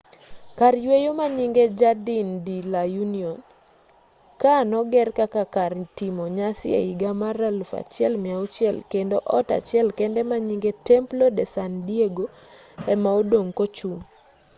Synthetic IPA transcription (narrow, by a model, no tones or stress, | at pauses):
karjwejomaɲiŋɡed͡ʒadindilajuniɔn | kanɔɡɛrkakakartimɔɲasɪḛiɡamaralfa̰t͡ʃɪɛlmɪaut͡ʃɛlkendoʔɔta̰t͡ʃɪɛlkɛndɛmaɲiŋɡetɛmplodɛsandieɡo | ɛmaodoŋkot͡ʃun